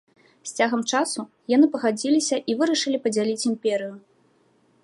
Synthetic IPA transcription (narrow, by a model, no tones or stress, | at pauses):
sʲt͡sʲaɣɐmt͡ʂasu | janɨpɐɣad͡zʲilʲisʲɐʔivɨɾɐʂɨlʲipɐd͡zʲalʲit͡sʲimpʲɛɾɨju